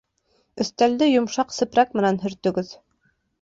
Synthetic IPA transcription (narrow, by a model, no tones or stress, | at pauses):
ɵ̆θt̪æld̪ɘjŏmʃɑqsɘ̆pɾɑk̚mɘ̆nænɦɵ̆ɾt̪ɵ̆ɡɵð